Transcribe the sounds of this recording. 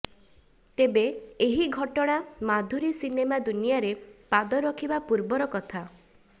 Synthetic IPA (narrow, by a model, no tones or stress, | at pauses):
t̪ebeeɦiɡʱɔʈɔɽ̃amad̪ʱuɾisinemad̪unijaɾepad̪ɔɾɔkʰibapuɾbɔɾɔkɔt̪ʰa